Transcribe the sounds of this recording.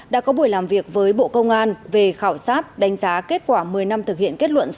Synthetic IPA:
ɗa̰ː˧˥kɔ˨˦ɓu˧˩əjlaː˨˩mvi˨˩ək̚vəː˨˦jɓo̰˧˨kə˧wŋ͡mʔaː˧nve˨˩xaː˧˩wsaː˦˥t̚ɗa˨˦ŋ̟zaː˨˦ke˦˥t̚kwaː˧˩mɨ˨˩əjna˧mt̪ʰɨ˨k̚hḭ˧˨ənke˦˥t̚lwə̰˧˨ns

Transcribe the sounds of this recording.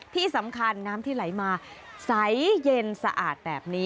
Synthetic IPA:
t̪ʰiː˥˩sa˩˦mkʰa˧nːaː˦˥mt̪ʰiː˥˩la˩˦jmaː˧ | sa˨˦jje˧nsa˧ʔa̰ː˨˩t̪̚bɛː˨˩p̚niː˦˥

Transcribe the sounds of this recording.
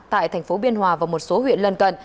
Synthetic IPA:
t̪a̰ː˧˨jt̪ʰɛ˨˩ŋ̟fo˨˦ɓi˧ənɦwaː˨˧vaː˨˩mo˨˩t̚so˨˦hwḭ˧˨ənlə˧nkə˨˩n

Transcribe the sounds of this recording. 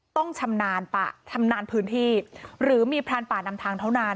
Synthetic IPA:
t̪ɔ˥˩ŋt͡ɕʰa˧mnaː˧npa̰ː˨˩t͡ɕʰa˧mnaː˧npʰɯː˦˥nt̪ʰiː˥˩ɾɯː˩˦miː˧pʰɾaː˧npaː˨˩na˧mt̪ʰaː˧ŋt̪ʰa˥˩wna˧

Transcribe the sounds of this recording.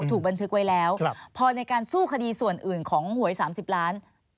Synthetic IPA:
t̪ʰuː˨˩k̚ba˧nt̪ʰɯ˦˥k̚wa˦˥jlɛː˦˥wpʰɔː˧na˧jkaː˧nsuː˥˩kʰa˧diː˧su˨˩ənʔɯː˨˩nkʰɔː˩˦ŋhu˩˦əjsaː˩˦msi˨˩p̚ɾaː˦˥n

